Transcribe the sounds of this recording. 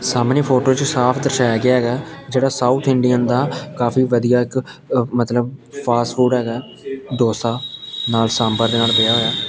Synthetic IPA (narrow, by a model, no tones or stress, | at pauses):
saːmniːpʰoːʈoːt͡ʃsaːpʰd̪əɾʃaːjaːɡɪaːɦɛːɡaːd͡ʒeːɽaːsaːut̪ʰɪɳɖijə̃ːnd̪aːkaːfʰiːʋəd̪ijaːɪk | mət̪ləbpʰaːsʈfʰuːɖɦɛːɡaː | d̪oːst̪aːnaːlsãːmbəɾd̪eːnaːlbɪaːɦoːjaː